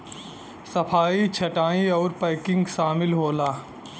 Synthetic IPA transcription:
sɐpʰaːit͡ʃʰɐʈaːĩɔːɾpaɪkɪ̃ŋɡʃaːmɪlɦoːlaː

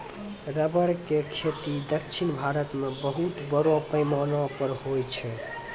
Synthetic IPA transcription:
ɾəbəɾkekʰet̪id̪əkʃʰinbʱaɾət̪mebəɦut̪bəɾopəjmanɔ̃pəɾhojt͡ʃʰɛ

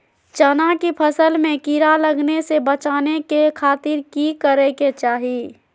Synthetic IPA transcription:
t͡ʃɐnakipʰɐsəlmẽkiɾalɐɡnesebɐt͡ʃaːnekekʰaːt̪ɪɾkikəɾeket͡ʃaːɦieː

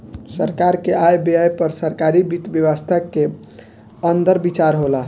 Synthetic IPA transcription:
səɾkaɾkeajbeajpəɾsəɾkaɾibit̪bjəwəst̪ʰəkːe | ənd̪əɾbit͡ʃaɾɦola

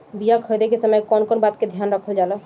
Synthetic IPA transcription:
bijakʰəɽd̪ekesəməjkɔnkɔnbat̪ked̪ʱjanɾəkʰəld͡ʒalə

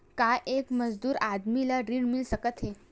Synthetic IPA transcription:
kaʔekməd͡zd̪uːɾad̪milaɾiɽmilsəkət̪ɦe

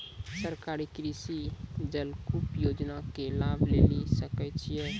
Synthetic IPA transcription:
səɾkaɾikɾisid͡ʒəlkupjod͡ʒnakelabʱlelisəkɛt͡ʃʰijɛ̃

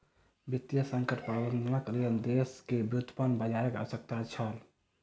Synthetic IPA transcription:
bit̪ːjəsəŋkəʈpɾəbənd̪nəkɾend̪eskebɾut̪ʰːə̥pənbəd͡ʒaəkə̰wəsək̚t̪at͡ʃʰəl

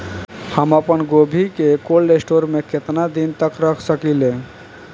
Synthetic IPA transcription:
həməpənɡobʱikekolɾesʈoɾmeket̪nad̪int̪əkɾəkʰsəkile

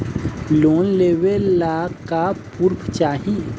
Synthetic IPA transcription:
loːnleːwelaːkapuɾpʰt͡ʃaːɦie

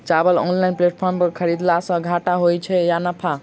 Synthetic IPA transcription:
t͡ʃabəlo̰nlainpleʈ̚pʰɔɾmpəɾkʰəɾid̪lasə̃ɡʱaʈaɦojt͡ʃʰɛjanəpʰa

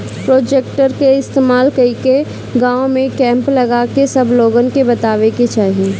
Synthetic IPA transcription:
pɾoːd͡ʒek̚ʈəɾkeɪst̪eːmaːlkɐike | ɡãːõmẽkɛ̃ːmplɐɡakesɐbʱloːɡənkebɐt̪aːʋeket͡ʃaːɦie

